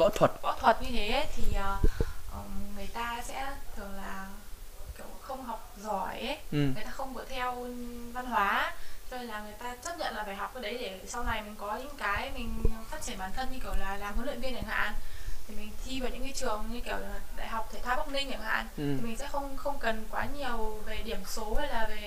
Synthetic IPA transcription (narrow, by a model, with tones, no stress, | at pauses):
ɔ̰˧˥t̪ʰwə˨˩t̚vɔ̰˧˥t̪ʰwə˨˩t̚ɲɨ˧t̪ʰe˨˦t̪ʰi˨˩əː˨˩ʔəː˨˩ŋɨ˨˩əjt̪aː˧sɛ̰˧˥t̪ʰɨ˧˩əŋ̚laː˨˩ki˧˩əwxə˧wŋ͡mɦa˨˩wk͡p̚zɔ˧˩jʔə˨˦jt̪aː˧xə˧wŋ͡mɓɨ˨˩ət̪ʰɛ˧wva˧nɦwaː˨˦t͡ɕɔ˧ne˧laː˨˩ŋɨ˨˩əjt̪aː˧t͡ɕə˦˥t̚ɲə̰˧˨nlaː˨˩ɓaː˧˩jɦa˨˩wk͡p̚ʔə˨˧˦ɗə˨˦jɗe˧˩sa˧wna˨˩jm˨˦ŋkɔ˨˦ɲɨ̰˧˥ŋkaː˨˦jmï˨˩ŋ̟˨faː˦˥t̚t͡ɕi˧˩ə˨nɓaː˧˩nt̪ʰə˧nɲɨ˧ki˧˩əwlaː˨˩laː˨˩mə˨˦lwḭ˧˨nvi˧ənɗa̰˧˩ŋha̰ː˧˨nt̪ʰi˨˩mï˨˩ŋ̟t̪ʰi˧vaː˨˩wɲɨ̰˧˥ŋi˧˦t͡ɕɨ˨˩əŋɲɨ˧ki˧˩əwlaː˨˩ɗa̰ː˧˨jɦa˨˩wk͡p̚t̪ʰe˧˩t̪ʰaː˦˥p̚ɓə˦˧˥k͡p̚nï˧ŋɗi˨˧˩ŋha̰ː˧˨nt̪ʰi˨˩mï˨˩ŋ̟sɛ̰˧˥xə˧wŋ͡mxə˧wŋ͡mkə˨˩nkwaː˨˦ɲi˨˩əwve˨˩ɗi˧˩əmso˨˦hə˨˦jlaː˨˩ve˨˩